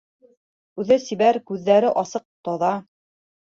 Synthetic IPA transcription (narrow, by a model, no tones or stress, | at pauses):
ʉðɘsiβæɾkʉðːæɾɘʔɑsɤq̚t̪oðɑ